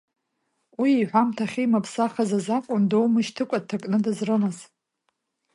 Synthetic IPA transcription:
wiiħʷᶣamtʰaχʲijmapʰsaχazazakʷʼʊndowmɨʃtʰɨkʷʼatʰakʼnɨdazrɨnaz

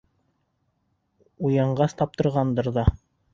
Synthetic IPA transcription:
ujɑɴɢɑst̪ɑp̚t̪ɤ̆ɾʁɑnd̪ɤɾðɑ

